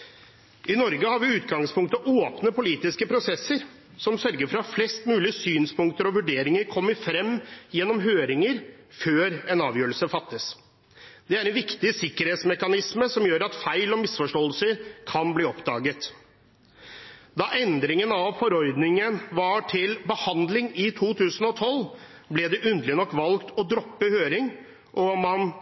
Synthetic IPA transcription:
ʔɪnɔɾɡəhɑːɾʋɪʉːt̪ɡɑŋspʰʊŋk̚t̪əʔoːpnəpʊliːt̪ɪskəpʰɾʊsɛsːəɾ | sɔmsœɾɡəɾfɔɾɑflɛst̪mʉːlɪəsyːnspʊŋkt̪əɾɔʋʉɖeːɾɪŋəɾkʰɔmːəɾfɾɛmːjɛnːɔmɦøːɾɪŋəɾ | føːɾɛnɑːʋjøːɾəl̩səfɑt̪ːəs | d̪ɛæɾɛnʋɪkt̪ɪsɪkːəɾheːt̪smɛkɑnɪsməsɔmjøːɾɑt̪fæɪlɔmɪsfɔʂʈɔːəlsəɾkʰɑnbliːɔpd̪ɑ̰ːɡət̪ | d̪ɑʔɛnd̪ɾɪŋənɑʋfɔɾɔɾd̪nɪŋənʋɑʈʰɪlbəhɑnd̪lɪŋɪt̪ʰuːt̪ʰʉːsənɔt̪ʰɔl | blɛd̪ɛʔʉnd̪əlɪnɔkːʋɑlɡt̪ɔd̪ɾɔpːəhøːɾɪŋ | ʔɔmɑn

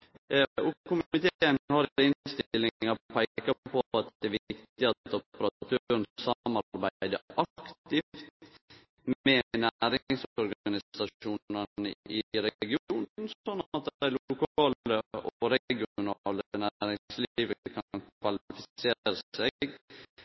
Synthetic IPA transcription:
ɔkʰʊmɪt̪ʰeeːənhɑɾɪnst̪ɪlːɪŋɑpʰæɪkkɑɑpʰɔpɑt̪ɛæːʋɪkt̪ɪɑt̪ɔpəɾɑt̪ʰøɾənsɑmɑɾɾbæɪd̪əʔɑkkt̪ɪft̪ | mɛnæɾɪɪŋsɔɾɡɡɑnɪsɑʂuːɑnə̰ʔɪɾɛɡɪuːnn̩ɔnːɑt̪̚d̪d̪æɪlʊkʰɑːləʔɔɾɛɡɪʊʊnɑːləənæɾɪŋsliːʋəkʰɑnkʰʋɑlɪfɪseːɾəɛɡ

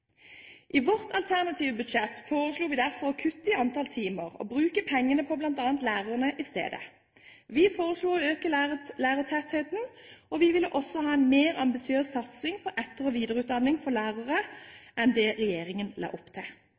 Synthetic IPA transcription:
ʔiʋɔʁt̪ʰɑlt̪ʰæʁnɑt̪ʰiːʋəbʉd̪ʃɛt̪ːfoːʁəsluːʋɪːd̪æʁfɔɔkʰʉt̪ːɪɑnt̪ʰɑlt̪ʰiːməʁɔ̰bʁʉːkəpʰɛŋːənəpʰɔblɑnt̪ɑːnt̪læːʁəʁnəʔɪst̪ḛːd̪ə̰ | ʋɪːfoːʁəsluːøːkəlæːʁət̪ʰɛt̪heːt̪n̩ɔʋɪʋɪlːəʔɔsɔhɑːɛnmeːʁɑmbɪsɪøːssɑt̪sɪŋpʰɔʔɛt̪əʁəʋiːd̪əʁʉːt̪̚d̪ɑnːɪŋfɔʁlæːʁəʁəʔɛnd̪ɛʁɛjeːɾɪŋənlɑ̰ːʔɔpt̪ʰɪ

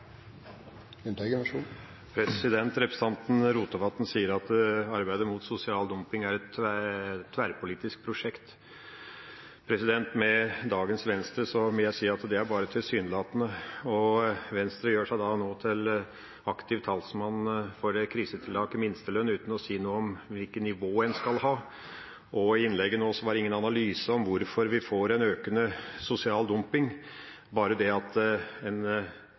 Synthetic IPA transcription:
ʉnt̪ɛɡəʂu | pʰɾɛsɪd̪ɛnt̪ɾɛpɾɛsɑnt̪n̩ɾuːt̪əʋɑt̪n̩siːəɾɑt̪ɑɾbæɪd̪əɾmʊt̪sʊsɪɑːld̪ʊmpɪŋæɾɛt̪æt̪ʰːʋæːɾpʰʊliːt̪ɪsk̚pʰɾʊʂɛkt̪ | pʰɾɛsɪd̪ɛnt̪mɛd̪ɑːɡənsʋɛnst̪ɾəsɔmɔjæɪsiːɑt̪d̪ɛæɾbɑːɾət̪ʰɪlsyːnlɑːt̪nəɔʋɛnst̪ɾəjøːʂæɪd̪ɑnoːt̪ʰɪl | ɑkt̪ɪʋt̪ʰɑlsmɑnːfɔɾɛkʰɾiːsət̪ʰɪlɑːɡɪmɪnst̪əlœnːʉːt̪n̩ɔsiːnuːəɔmʋɪlkənnːɪʋoːɛnskɑlhɑː | ʔɔɪɪnlɛɡːənoːsɔʋɑɾɪŋːənɑnɑlyːsəɔmʋʊɾfɔɾʋɪfoːɾɛnøːkənəsʊsɪɑːld̪ʊmpɪŋ | bɑːɾəd̪ɛɑt̪ɛn

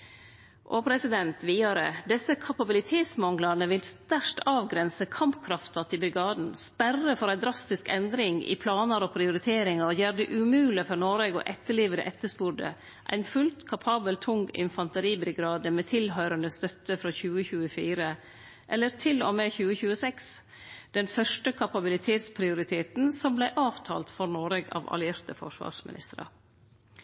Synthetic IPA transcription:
ʔoːpʰɾɛsɪd̪ɛnt̪ʋiːɑɾə̰d̪ɛsəkʰɑpɑbɪlɪt̪ʰeːt̪smɑŋɡlɑnəʋɪlst̪æʂʈɑːʋɡɾɛnsəkʰɑmpkʰɾɑft̪ɑt̪ʰɪbɾɪɡɑːd̪n̩spærːəfɔɾæɪd̪ɾɑst̪ɪskɛnd̪ɾɪŋɪ̰pʰlɑːnɑɾɔpʰɾɪʊɾɪt̪ʰeːɾɪŋɑɔjæːɾəd̪ɛʔʉmʉːlɪfɔɾnoːɾeɡɔ̰ʔɛt̪ːəɭiːʋəd̪ə̰ʔɛt̪ːəspuɖə̰ | ʔæ̰ɪnfʉlt̪kʰɑpʰɑːbəlt̪ʰʊŋɪ̰nfɑnt̪əɾiːbɾɪɡɾɑːd̪əmeːt̪ʰɪlɦœʏɾənd̪əst̪œt̪ːəfɾɑːçʉːəçʉːəfiːɾə | ʔɛlːəɾt̪ʰɪlomeːçʉːəçʉːəsɛks | d̪̥ɛnfœʂʈəkʰɑpɑbɪlɪt̪ʰeːt̪spʰɾɪʊɾɪt̪ʰeːt̪nsɔmblæɪʔɑːʋt̪ʰɑ̰ːlt̪fɔɾnoːɾɛɡɑ̰ːʋɑ̰lɪeːɾt̪əfɔ̰ʂʋɑ̰ːʂmɪ̰nɪ̰st̪əɾɑ̰

